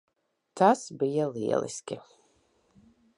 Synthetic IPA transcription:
t̪ʰasbijalḭɛ̰lˠḭskʲi

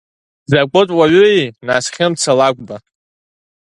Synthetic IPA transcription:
zakʷʼɨtʷʼwaɥʏejnaːsχʲɪmt͡sʰalaɡʷba

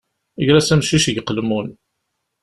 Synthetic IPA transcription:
əʝɾæsæmʃiʃəʝqːəlmun

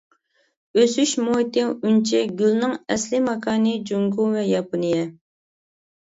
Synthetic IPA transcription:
øsyʃmot̪ɪwunt͡ʃʰɛɡʲylnɪŋɛslɪmɑkʰɑːnɨd͡ʒuŋɡuvɛjɑpɨnɨjɛ

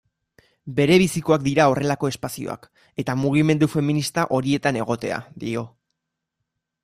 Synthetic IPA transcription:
be̞ɾe̞β̞isiko̞akd̪iɾao̞re̞lako̞e̞spasio̞̰a̰k | e̞t̪amuɣ̞ime̞nd̪ufe̞minist̪aʔo̞ɾie̞t̪ane̞ɣ̞o̞t̪e̞a̰ðio̞

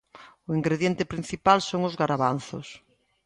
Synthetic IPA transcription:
ʊiŋɡɾeðjent̪epɾin̟θipalsoŋʊzɣaɾaβanθʊ̰s

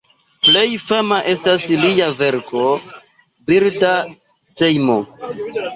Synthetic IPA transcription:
ple̞jfamaʔe̞stasliave̞ɾkʰo̞ | biɾta | sejmo

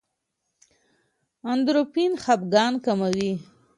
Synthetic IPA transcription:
and̪ɾopinxabɡɑːnkamawi

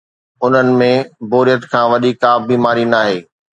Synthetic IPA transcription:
ʊn̤ənɪ̆mẽboːɾijət̪kʰãːʋɐɗikːaːbiːmaːɾinaːɦeː

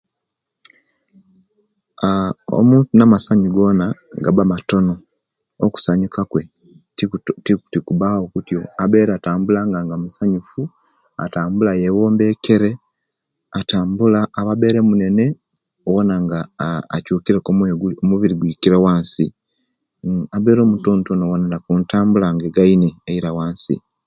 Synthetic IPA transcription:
ao̰muːntunamasaɲiɡo̞naɡa̰bamato̞no̞ | oku̥saɲukakwe̞ | ttikuβaokutjo̞abe̞ːɾataːmbulaŋɡaŋɡamusaɲufu | a̰taːmbulajewoːmbe̞ke̞ɾe̞ | ataːmbulaːβaβe̞ːɾemune̞ne̞ | owonaŋɡa̰ːcuːkiɾekomomuβiɾiɡwiːkiɾewaːnsi | aβe̞ːɾo̞ːmutontono̞wonanakuːntaːmbulaŋɡeɡaineːiɾawaːnsḭ

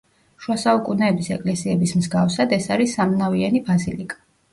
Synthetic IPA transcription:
ʃwasaukʼunɛːbisɛkʼlɛsiɛbismzɡafsad̪ɛsaɾisːamnavianibazilikʼḁ

